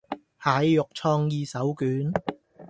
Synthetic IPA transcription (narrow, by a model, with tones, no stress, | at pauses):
haː˨jːʊ˨k̚t͡sʰɔː˧ŋjiː˧sɐ˨˥wkyː˨˥n